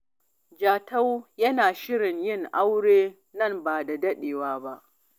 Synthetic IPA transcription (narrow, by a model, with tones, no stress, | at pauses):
d͡ʒaː˨ta˦wjɐ˦naː˨ʃɪ˦ɽɪ˨ɲjɪ˦˨ŋʔa˦wɽeː˦ | nɐ˦˨mbaː˨da˨dɐ˦ɗeː˨waː˦ba˦ʔ